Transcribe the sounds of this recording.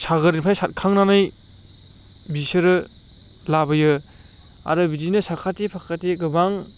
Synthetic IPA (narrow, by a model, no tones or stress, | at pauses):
saɡɯɾinpʰajsat̚kʰaŋnanaj | bisɯɾɯ | labɯjɯ | a̰ɾɯbidinɯsakʰatipʰakʰatiɡɯbaŋ